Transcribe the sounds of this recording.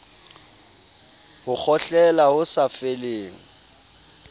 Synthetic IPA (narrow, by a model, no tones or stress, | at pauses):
hʊk͡xʰɔɬɛlaʊsafeleːŋ̩